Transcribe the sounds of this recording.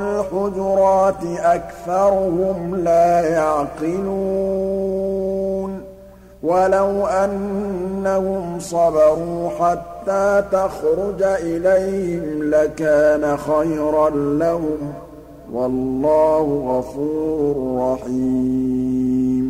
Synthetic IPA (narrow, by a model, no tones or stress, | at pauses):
lħʊd͡ʒɾˤɑːt̪ɪʔakθɑɾˤʊhʊmlaːjaʕqɪlu | n | walawʔanːahʊmsˤɑbɑɾˤuːħat̪ːaːt̪axɾʊd͡ʒʔɪlajhɪmlakaːnaxajɾanlahʊm | wɑlːɑːhʊɣafuːɾʊrrˤːɑħi | m